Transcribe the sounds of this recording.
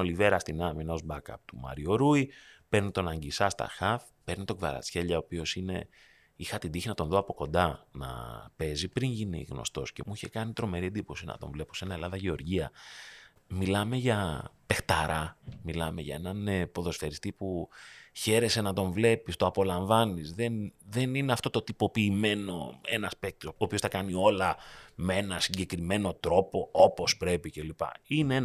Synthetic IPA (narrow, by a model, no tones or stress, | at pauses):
olive̞ɾɐst̪inɐminɐo̞zbɐkɐ̰pt̪umɐ̰ɾio̞ɾuipe̞ɾnit̪o̞nɐɲɟisɐst̪ɐ̰xɐf | pe̞ɾnit̪oɡvɐɾɐ̰t͡sçe̞ʎɐopio̞sine̞̰ | ixɐt̪ind̪içinɐt̪onðoɐpo̞ko̞nd̪ɐnɐ̰pe̞zipɾiɲʝinḭɣno̰st̪o̞sce̞̰muiçe̞kɐnit̪ɾo̞me̞ɾiend̪ipo̞sinɐ̰t̪o̞ɱvle̞po̞se̞nɐe̞lɐðɐʝe̞o̞ɾʝiɐ | milɐme̞ʝɐpe̞xt̪ɐɾʔɐmilɐme̞̰ʝɐ̰e̞nɐnpo̞ðo̞sfeɾist̪ipuçe̞ɾe̞se̞nɐt̪o̞ɱvle̞pist̪o̞ɐpo̞lɐɱvɐnisðenðe̞nine̞ɐft̪o̞t̪o̞t̪ipo̞piːme̞no̞̰e̞nɐspek̚t̪oːpiostɐkɐnio̞lɐmee̞nɐsiɲɟe̞kɾime̞no̞t̪ɾo̞po̞opo̞spɾe̞pice̞lipɐ̰inee